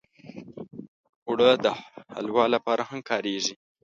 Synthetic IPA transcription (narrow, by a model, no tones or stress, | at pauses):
ʊɽəd̪əha̰lwɑlapɑɾʔahamkʰɑɾeʒi